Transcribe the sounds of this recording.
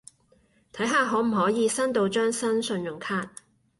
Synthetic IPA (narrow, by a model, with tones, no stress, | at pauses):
t̪ʰɐ˨˥jɦaː˨ɦɔː˨˥m̩˨˩ɦɔː˨˥jiː˨˧sɐ˥nt̪o˨˧wt͡ʃœː˥ŋsɐ˥nsɵ˧njʊ˨˩ŋkʰaː˧˥t̚